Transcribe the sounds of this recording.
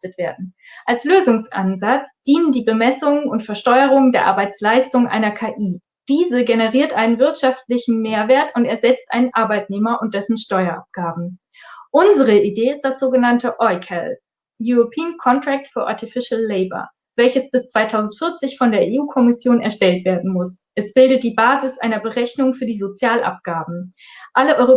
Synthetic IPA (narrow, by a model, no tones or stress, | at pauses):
stətv̥eːɐdn̩ | ʔalsløːzʊŋsʔa̰nzat͡sd̥iːnəndiːbəmɛsʊŋənʊntfɛɐʃtɔʏəʁʊŋəndeːɐʔa̰ɐbaɪt͡slaɪstʊŋʔa̰ɪnɐkʰaːʔiː | d̥iːzəɡenəʁiːɐtʔaɪnənvɪɐtʃaftlɪçn̩meːɐveːɐtʊntɛɐzɛt͡stʔaɪnənʔaɐbaɪtneːmɐʔʊnt̚d̥ɛsn̩ʃtɔʏɐʔa̰p̚ɡ̥aːbm̩ | ʔʊnzəʁ̞əideːɪst̚d̥asz̥oːɡənantəʔɔʏkʰɛ̰l | juʁopʰiːənkʰɔntʁ̥ɛk̚tfyːɐʔa̰ɐtifɪʃlːɛɪbɐ̰ | vɛlçəsb̥ɪst͡sv̥aɪtʰaʊzn̩tfɪɐt͡sɪçfɔndeːɐʔeːuːkʰɔmɪsjoːnɛɐʃtɛltv̥eːɐdn̩mʊsʔɛsb̥ɪldət̚d̥iːbaːzɪsʔaɪnɐbəʁɛçnʊŋfyːɐdiːzot͡sjaːlʔa̰p̚ɡ̥aːbm̩ | ʔaləʔɔʏʁo